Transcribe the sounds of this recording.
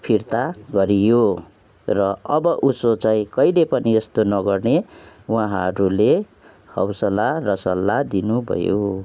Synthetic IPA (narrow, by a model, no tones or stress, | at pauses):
pʰirt̪aɡʌɾijo | rʌʌbʌʔusot͡saĩkʌilepʌniest̪onʌɡʌrne | wãɦʌɾule | hʌwsʌlarʌsʌlːad̪inubʱʌ̰jo̰